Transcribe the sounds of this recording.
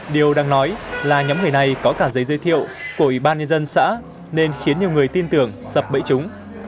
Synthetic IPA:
ɗi˨˩əwɗaː˧ŋnɔ˨˦jlaː˨˩ɲɔ˨˦mŋɨ˨˩əjna˨˩jkɔ˨˦kaː˧˩zə˨˦jzəː˨˦jt̪ʰḭ˧˨əwku˧˩əʔwi˧˩ɓaː˧nɲə˧nzə˧nsa̰ː˧˥ | ne˧nxi˨˦ənɲi˨˩əwŋɨ˨˩əjt̪i˧nt̪ɨ˧˩əŋsə˨˩p̚ɓə̰˧˥jt͡ɕʊ˨˦ŋ͡m

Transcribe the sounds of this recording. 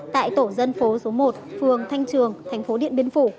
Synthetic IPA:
t̪a̰ː˧˨jt̪o˧˩zə˧nfo˨˦so˨˦mo˨˩t̚fɨ˨˩əŋt̪ʰa˧jŋ̟t͡ɕɨ˨˩əŋt̪ʰjŋ̟fo˨˦ɗḭ˧˨nɓi˨˦ənfu˧˩

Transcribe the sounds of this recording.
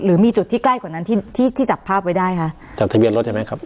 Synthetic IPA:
ɾɯː˩˦miː˧t͡ɕu˨˩t̪ʰːiː˥˩kla˥˩jkwaː˨˩na˦˥nt̪ʰiː˥˩t̪ʰiː˥˩t̪ʰiː˥˩t͡ɕa˨˩pʰːaː˥˩p̚wa˥jdaː˥˩jkʰa˦˥ʔ | t͡ɕaː˨˩k̚t̪ʰa˧bi˧nlo˦t̪̚t͡ɕʰma˦˥jkʰa˦˥p̚

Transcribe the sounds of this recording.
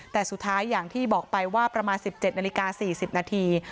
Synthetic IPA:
t̪ɛː˨˩su˨˩t̪ʰːaː˦˥jːaː˨˩ŋt̪ʰiː˥˩bɔː˨˩k̚pa˧jwaː˥˩pɾa˧maː˧nsi˨˩p̚t͡ɕe˨˩t̪̚na˧li˦˥kaː˧siː˨˩si˨˩p̚naː˧t̪ʰiː˧

